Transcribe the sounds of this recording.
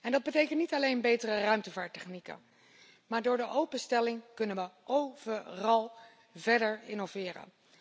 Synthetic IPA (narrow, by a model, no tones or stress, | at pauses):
ɛndɑd̚bətejkəntnitɑlejnbejtərərœɥmtəvaːɹtɛχnikə̰n | maːɹdʊːɹdəʔowpənstɛlɪŋkɵnənʋəʔowvərɑlˠ | vɛɹdəɹɪnovɪːrə̰n